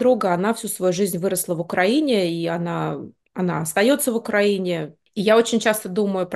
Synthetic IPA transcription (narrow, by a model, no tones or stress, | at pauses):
d̪ɾuɡəɐnafsʲusvɐjuʐɨzʲnʲvɨɾəslˠəvʊkɾɐinʲɪiɐna | ɐna̰ɐst̪ɐjo̞t̪səvʊkɾɐinʲɪ | ijao̞t͡ɕɪnʲt͡ɕast̪əd̪uməjʊp